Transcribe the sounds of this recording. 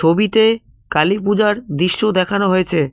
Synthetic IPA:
obit̪e | kalipud͡ʑaɾd̪ɾiʃːod̪ɛkʰanoɦojet͡ɕʰe

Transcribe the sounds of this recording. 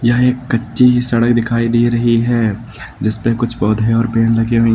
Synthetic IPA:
jɐɦeːkːɐtːʃiɦisɐɽək̚d̪ɪkʰaːid̪iːɾɐɦiɦɛː | d͡ʒɪspekʊt͡ʃʰpɔːd̪ʱeɔːɾpeːnlɐɡiɦuĩ

